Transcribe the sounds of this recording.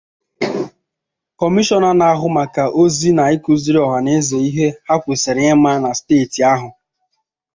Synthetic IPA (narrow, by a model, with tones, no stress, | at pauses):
kɔ˨mi˦ʃɔ˦na˦na˨a˦ɦʊ˦ma˨ka˨ʔo˦zi˦na˨ɪ˦ku˦zi˦ɾi˦ɔ˨ɦa˨ne˦ze˨i˦ɦe˦ha˦kʷe˨se˨ɾɪ˨ɲe˦ma˦na˨steː˦˨ti˨a˦ɦʊ˨